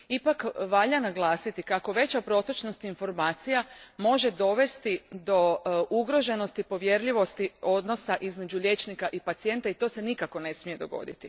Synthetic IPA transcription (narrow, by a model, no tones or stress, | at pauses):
ipakʋaʎanaɡlˠaːsit̪ikako̞ʋe̞t͡ɕapɾo̞t̪ot͡ʃno̞st̪info̞ɾmaːt̪sijamo̞ʒe̞d̪o̞ʋe̞st̪id̪o̞ʔuɡɾo̞ʒe̞no̞st̪ipo̞ʋjeɾʎiʋo̞st̪io̞d̪no̞saʔizme̞d͡ʑuʎʲe̞t͡ʃnikaʔipat̪sije̞nt̪ait̪o̞ːse̞nikako̞ne̞smije̞d̪o̞̰ɡo̞̰d̪ḭt̪i